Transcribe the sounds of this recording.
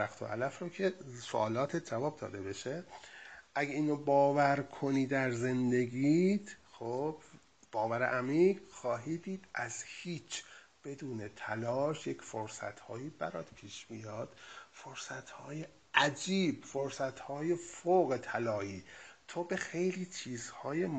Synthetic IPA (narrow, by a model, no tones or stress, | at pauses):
æxt̪ʰo̰ʔælæfɾocʰesoʔɒːlɒːt̪ʰet̪̚ʰd͡ʒævɒːb̚d̪ɒ̰ːd̪e̞be̞ʃe | ʔæɟeiːnobɒːvæɾkʰo̞niːd̪æɾze̞nd̪e̞ɟid̪̥xob̥ | b̥ɒːvæɾḛʔæmiːɡxɒːɦiːd̪iːd̪̥ʔæz̥hiːt͡ʃʰ | b̥e̞d̪uːnet̪ʰælɒːʃjecʰfoɾsæ̰t̪hɒːjiːbæɾɒːd̪̥pʰiːʃb̥ijɒːd̪̥foɾsæt̪hɒːje | æd͡ʒiːbfoɾsæt̪hɒːjefoɣet̪ʰælɒːʔiːt̪ʰobe̞xejliːt͡ʃʰiːzhɒːjem